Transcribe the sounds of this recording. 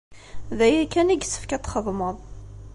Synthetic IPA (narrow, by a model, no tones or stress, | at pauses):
ðæjækːæniɡsə̥fkæt̪ːχəðˤməðˤ